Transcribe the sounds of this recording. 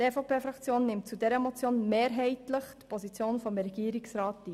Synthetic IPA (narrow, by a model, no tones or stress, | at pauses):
ɛfɔpeːfɾɑkt͡sjoːnːɪmtt͡sudɛɾəmɔt͡sjoːnmeːɾɦɛɪtləχtpʰɔsit͡sjoːnfɔmɾɛɡ̥iəɾɪksɾɑːtiː